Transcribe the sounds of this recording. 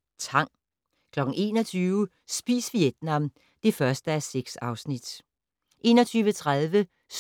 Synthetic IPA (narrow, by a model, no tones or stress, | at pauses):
t͡sʰɑ̈ŋ̰ | kʰlɒ̽ɡ̥n̩e̝̰ːnɒt͡sʰyːʊə | sb̥ḭːsʋijed̥nɑ̈m | d̥e̝fɶɐsd̥əæseɡ̥sɑ̈ʊsnid̥ | ʔe̝ːnɒt͡sʰyːʋət͡sʰʁaðˠʋə | s